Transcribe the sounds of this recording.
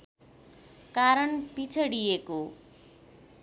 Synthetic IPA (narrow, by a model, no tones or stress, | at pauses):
kaɾʌɳpit͡sʰʌɽijeko